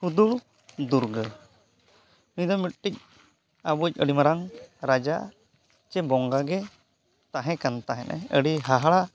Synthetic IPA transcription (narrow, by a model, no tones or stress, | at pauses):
hud̪uɽ | d̪uɾɡə | nid̪ɔmiʈ̚ʈic̚ | abuc̚ˀəɽimaɾaŋɾad͡ʒa̰ʔ | t͡ʃɛbɔŋɡaɡɛ | t̪aɦɛ̃kant̪aɦɛnʔa̰əɽiɦaɦaɽa